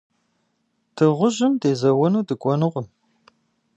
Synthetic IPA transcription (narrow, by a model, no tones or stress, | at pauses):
d̥ʰɨʁʷʊʑɪmdeːzɐwɐnuːdɨkʷʼɔnɨʁʷʊm